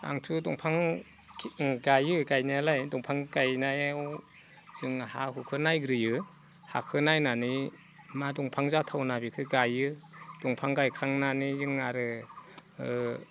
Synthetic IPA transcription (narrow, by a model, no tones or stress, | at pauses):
a̰ŋtʰudɔŋpʰaŋ | ɡajɯɡajnaalajdɔŋpʰaŋɡajnajaw | z̥ɯŋahaɦukʰɯnajɡɾɯjɯ | ha̰kʰɯnajnani | madɔŋpʰaŋzatʰawnabikʰɯɡajɯdɔŋpʰaŋɡajkʰaŋnanizɯŋaɾɯ